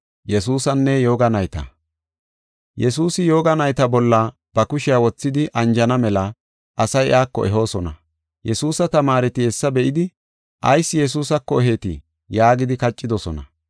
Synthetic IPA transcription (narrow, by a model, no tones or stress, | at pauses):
jɛsuːsɐnːɛjo̞ːɡɐnɐjt̪ɐ̰ | jɛs̬uːsɪjo̞ːɡɐnɐjt̪ɐbɔlːɐ | b̥ɐkʊʃɪawɔt͡sːɪd̪ɪʔɐnd͡ʒɐnɐmɛlɐ | ʔɐsɐjʔaːkːɔ̰ʔɛɦo̞ːsɔnɐ | jɛsuːsɐt̪ɐmaːɾɛt̪ɪɛsːɐbɛʔɪd̪ɪ | ʔɐjsːɪjɛs̬uːsɐkːɔɛɦeːt̪ɪ̰ | jaːɡɪd̪ɪkɐt͡ʃʼːɪd̪ɔsɔnɐ̰